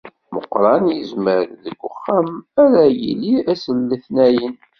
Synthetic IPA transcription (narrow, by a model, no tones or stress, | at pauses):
məqːɾˤɑnjəzməɾðəɡʷːʊχːæmæɾæjḭliæsəlːiθnæjən